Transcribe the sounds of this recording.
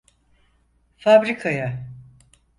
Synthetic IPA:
fabɾikʰaja

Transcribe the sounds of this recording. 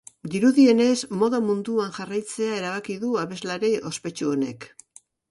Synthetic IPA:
d̪iɾuðie̞ne̞zmo̞ðamund̪uanʝarajt͡se̞ae̞ɾaβ̞akiðuaβe̞zlaɾeʔo̞spe̞t͡ʃuo̞ne̞̰k

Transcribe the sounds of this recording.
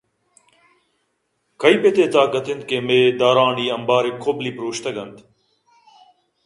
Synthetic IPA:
kɐiːpet̪eːt̪aːkət̪ʰɪnd̪̚keːmeːd̪aːɾaːniːɐmbaːɾekʰːoːbliːpɾoːʃt̪əɡɐnd̪

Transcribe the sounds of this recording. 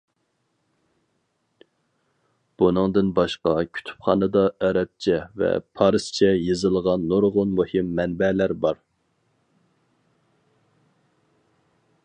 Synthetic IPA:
b̥unɨŋd̪ɨnbɑʃqɑkʲʰy̥t̪ʰy̥pχɑ̰nɨd̪ɑɛɾɛp̚t͡ʃʰɛvɛ̰pʰɑɾɨst͡ʃʰɛjɨzɨlˠəʁɑnːoɾʁʊnmuhɪmːɛnbɛlæɾbɑɾ

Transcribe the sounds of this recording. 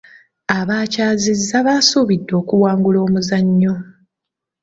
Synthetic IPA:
aβaːcaːzizːaβasuβidːo̞ːkuwaːŋɡulo̞ːmuzaɲːo

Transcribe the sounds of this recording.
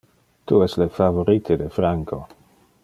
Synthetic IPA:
t̪uɛslefavoɾit̪ʰed̪efɾaŋkʰo

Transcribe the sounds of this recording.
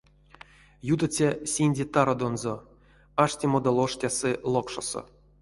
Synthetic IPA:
jud̪at͡sʲasʲinʲdʲet̪aɾod̪onzo | aʂtʲimod̪alˠoʂtʲasɨlˠokʂo̰so̰

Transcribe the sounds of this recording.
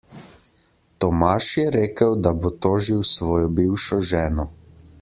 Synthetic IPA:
t̪ɔmaʃjɛɾeːkəwd̪abot̪oːʒiwsʋɔːjɔbiwʃɔʒɛːnɔ

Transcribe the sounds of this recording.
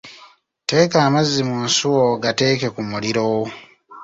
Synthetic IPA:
te̞ːkaːmazːimunsuwoɡate̞ːke̞kumuliɾow

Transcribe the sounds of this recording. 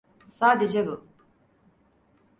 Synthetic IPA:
saːd̪ed͡ʒɛbu

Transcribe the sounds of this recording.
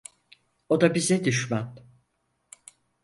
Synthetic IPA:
od̪abizɛd̪yʃman

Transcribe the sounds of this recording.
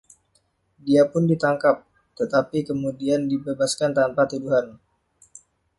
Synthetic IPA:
diapʊndit̪aŋkap̚ | t̪ət̪apikəmudiandibebaskant̪anpat̪uduɦan

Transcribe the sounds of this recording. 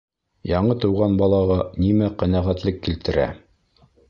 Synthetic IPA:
jɑɴɤt̪ɤ̆wʁɑnbɑlˠɑʁɑnimæqænæʁæt̪lɘkːilt̪ɘ̆ɾæ̰

